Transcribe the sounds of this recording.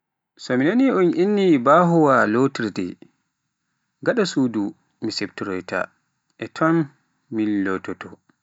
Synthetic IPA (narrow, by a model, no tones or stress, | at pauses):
sɔminaniɔnʔinːibaɦɔwalotiɾdɛ̰ | ɡaɗasudu | misebtiɾɔjta̰ | ʔɛtʰɔmː | ilːɔtɔtɔ